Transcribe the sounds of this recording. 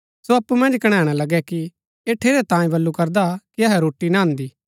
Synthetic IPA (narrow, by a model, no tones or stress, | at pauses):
soɐpːumɐ̃nd͡ʒkɐɽ̃ɛːɽ̃alɐɡɛki | eːʈʰeːɾɛt̪ãːĩbɐlːukɐɾd̪akiɐɦɛɾoːʈːinãɦɐ̃nd̪iː